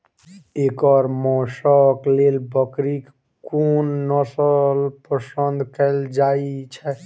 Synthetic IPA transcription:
ekɔɾmɔsɔklelbəkɾik | kunːɔsəlpəsənd̪ʱkɛld͡ʒait͡ʃʰɛ

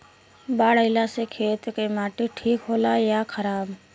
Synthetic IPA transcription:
baːɽəɪlasekʰeːt̪kemaːʈeʈʰiːkɦoːlaːjaːkʰəɾaːb

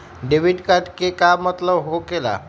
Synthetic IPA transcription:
ɖeʋiɖkad̪kekamət̪ləʋɦokela̰

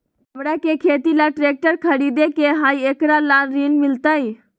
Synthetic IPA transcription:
ɦəmɾakekʰeːt̪ilaʈɾeːk̚ʈəɾkʰəɾid̪ekeɦaːieːkɾalaːnɾiːnmɪlt̪ai

